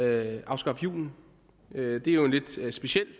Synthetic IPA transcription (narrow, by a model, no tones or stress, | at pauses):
øɑ̈ʊsɡ̥ɑ̈fjṵːn̩ | ød̥e̝æjoenle̝d̥sb̥e̝sel̰